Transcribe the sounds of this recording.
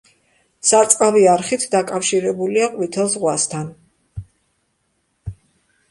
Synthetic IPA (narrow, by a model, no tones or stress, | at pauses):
sat̪sʼqʼaviaɾχit̪ʰd̪akʼafʃiɾɛbuliaqʼwit̪ʰɛlˠsʁwast̪ʰan